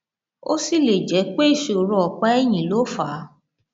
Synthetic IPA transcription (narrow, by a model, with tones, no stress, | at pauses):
o̰˦si˦˨le˨d͡ʒɛ˨˦k͡pe˦i˦˨ʃo˨ɾɔ˧ɔ˨k͡pɛ˦ɛ˦˨j̃ĩ˨lo˨˦fa˨˦